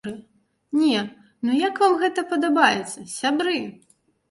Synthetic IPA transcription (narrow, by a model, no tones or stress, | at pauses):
ɨ | nʲɛ | nujakvamɣɛt̪ɐpɐd̪abajɛ̰t̪sːɐsʲabɾɨ